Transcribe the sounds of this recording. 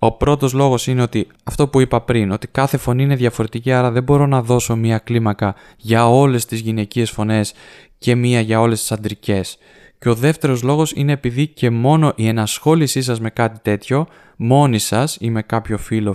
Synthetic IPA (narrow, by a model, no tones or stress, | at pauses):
o̞pɾo̞t̪o̞zlo̞ɣo̞sine̞o̞t̪i | ɐft̪o̞puipɐpɾino̞t̪i̥kɐθe̞fo̞niine̞ðʝɐfo̞ɾe̞t̪iciɐɾɐðe̞bo̞ɾo̞nɐðo̞so̞miɐklimɐkɐ | ʝɐo̞le̞st̪izʝine̞cie̞sfo̞ne̞s | ce̞miɐʝɐo̞le̞st̪i̥sɐnd̪ɾice̞s | ceo̞ðe̞ft̪e̞ɾo̞zlo̞ɣo̞sḭne̞ːpiðice̞mo̞no̞ʔienɐsxo̞lisisɐzme̞kɐt̪it̪e̞t̪ço̞ | mo̞nisɐsime̞kɐpço̞filo̞